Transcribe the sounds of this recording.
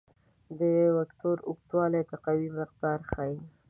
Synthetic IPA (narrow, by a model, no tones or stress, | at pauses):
d̪əwakʈoɾʊk̚t̪wɑlat̪aqawimɪq̚d̪ɑɾxai